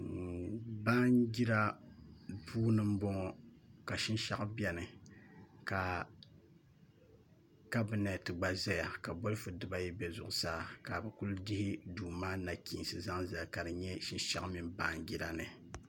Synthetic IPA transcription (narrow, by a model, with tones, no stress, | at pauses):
ba˦ŋɡi˦ɾa˦ | buː˦nɨ˦m̩˦bɔ˦ŋɔ˨ka˨ʃi˦n˦ʃa˦ʔbɛ˨nɨ˨ | ka˨ | ka˦bi˨nɛ˨tɨ˨ɡ͡ba˨za˦ja˨ka˨bo˦lɨ˦fɨ˨dɨ˦ba˦jɛ˦bɛ˨zʊ˨ʔʊ˨saː˦ka˨bɛ˨ku˦ldi˦hɪ˦duː˨maː˦na˨kʰiː˨nsɨ˨za˦ŋza˨lka˨dɨ˨ɲɛ˦ʃi˦nʃa̰˦ʔmi˦mba˦ŋɡi˦ɾa˦nɨ˨